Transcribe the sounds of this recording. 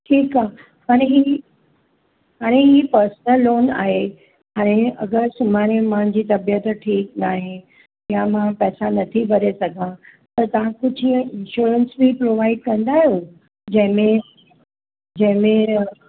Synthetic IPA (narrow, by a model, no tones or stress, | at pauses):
ʈʰiːkaɦ | haːɽ̃eɦi | ɦaːɽ̃eɦiːpɐɾsnəlːoːna̰ːɦe | haːɽ̃ẽɐɡəɾsʊmaːɾ̃emãɪ̃ɲd͡ʑiːt̪ɐbjət̪ʈʰiːknaːɦẽ | jãmãpɛːsanɐt̪ʰibɐɾesɐɡʱãt̪ɐt̪ɐʋ̤ãkʊd͡ʑʱiːə̃ɪ̃nʃuːɾənsmĩpɾoʋaːɪɖ̚kɐ̃nd̪aːɦijo | d͡ʑɐ̃ɦɪ̃mẽ | d͡ʑɐ̃ɦɪ̃mẽ